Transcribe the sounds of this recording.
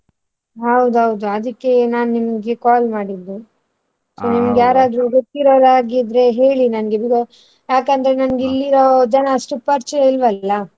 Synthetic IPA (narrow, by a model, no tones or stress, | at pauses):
ɦɐwd̪uɦɐwd̪uɐd̪ɐkːe̞naːnnimɐɡekaːlmaːɽid̪ːu | soːnimɐɡjaːɾaːd̪ɾuɡot̪ːiɾoːɾaːɡid̪ɾe̞ɦe̞ːɭinɐnɡebiɡɐ | jaːkɐnd̪ɐɾe̞nɐnɐɡilːiɾod͡ʒɐnɐːʂʈupɐɾt͡ʃilʋɐlːɐ